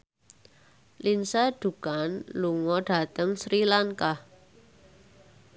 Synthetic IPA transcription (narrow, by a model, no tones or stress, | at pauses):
lʔinsaɖ̥ṳkanluŋɔɖ̥a̤t̪əŋsɾilaŋkah